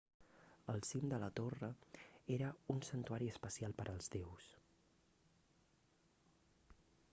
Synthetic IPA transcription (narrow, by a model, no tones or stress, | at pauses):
əlˠsimd̪ələt̪orəeɾəunsənt̪uaɾiəspəsialˠpəɾʔəlˠzðews